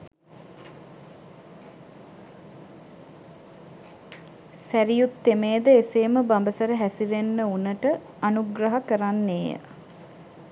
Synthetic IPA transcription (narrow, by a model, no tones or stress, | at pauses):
sæɾijut̪ːemeːd̪əeseːməbambəsəɾəɦæsiɾenːəunəʈə | anuɡɾaɦakəɾanːeːjə̰